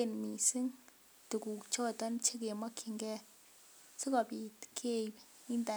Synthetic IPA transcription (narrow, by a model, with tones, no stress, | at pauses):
e˨nmi˨si˦ŋ | ti˨ku˨kt͡ʃɔ˦˨ta˦nt͡ʃe˦ke˨ma˦kʰi˨ŋɡɛ˦ | si˦kɔ˨pi˨tkʰe˦ | i˦nda˨